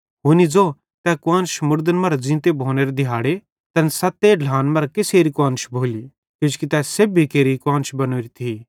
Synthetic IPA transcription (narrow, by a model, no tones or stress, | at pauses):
ɦuːnid͡zoː | t̪ɛkãːnʃmʊɽd̪ənmɐɾd͡zĩːt̪ebʱoːneɾed̪ɪjaːɽe | t̪ɐnsɐt̪el̤ʱãːnmɐɾkɪseːɾikãːnʃbʱoːli | kod͡ʒkit̪ɛsebikeːɾikaːnʃbɐnoːɾit̪ʰiː